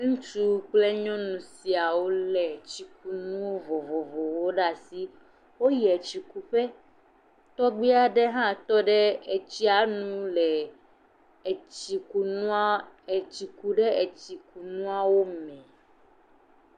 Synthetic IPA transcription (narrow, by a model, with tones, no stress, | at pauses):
ŋũ˦t͡ʃu˦k͡ple˦ɲɔ̃˦nũ˨si˨a˨wo˦lɛ˨t͡ɕi˨k̚u˦nũ˦wo˦vɔ˨vɔ˨vɔ˨wo˦ɖa˨si˦ | wo˦jɛ˨t͡ɕi˨ku˦ɸɛ˦ | t̪ɔ˦ɡ͡bi˦a˦ɖe˦ɦã˦t̪ɔ˦ɖɛ˦e˨t͡ɕi˦a˨nũ˦lɛ˨ | i˨ku˨nũ˦˨ | t͡ɕi˨ku˦ɖe˦e˨t͡ɕi˨ku˨nũ˦a˦wo˦mɛ̃˨